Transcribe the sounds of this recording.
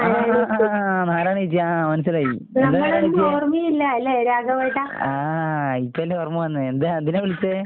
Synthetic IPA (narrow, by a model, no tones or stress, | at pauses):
a | naːɾaːɳiit͡ɕːiamɐnɐs̬ɐlaːjii | nɐmːɐɭed̪iormiilːɐilːeeɾaːɡɐʋaːjiʈːaaːipːelːeormiʋɐnːɨend̪eɐnd̪ineʋiɭit͡ɕːɨ